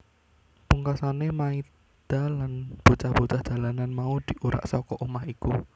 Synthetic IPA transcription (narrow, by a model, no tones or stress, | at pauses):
puŋkasanemai | d̪̥alanb̥o̤t͡ʃahb̥o̤t͡ʃahd͡ʒ̥a̤lananmaud̪̥i̤ʔuɾa̰ʔsɔkɔʔumahiku